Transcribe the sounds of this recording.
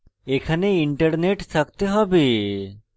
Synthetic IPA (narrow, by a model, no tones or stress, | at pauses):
ekʰaneiɳʈəɾneʈsʰəkt̪eɦɔbi